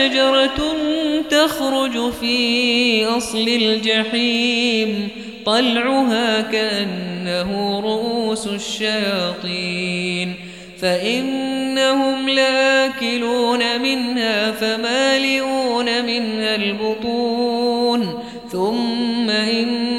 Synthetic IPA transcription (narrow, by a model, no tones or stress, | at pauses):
ad͡ʒɑɾˤɑ | t̪axɾʊd͡ʒfiːʔɑsˤlɪld͡ʒaħiːm | t̪ˤɑlʕʊɦaːkaʔanːaɦʊɾˤʊʔuːsʊʃːajɑːt̪ˤiːn | faʔɪnːahʊmlaʔaːkɪluːnamɪnhaːfamaːlɪʔuːnamɪnhalbʊt̪ˤuːn | θʊmːaʔɪn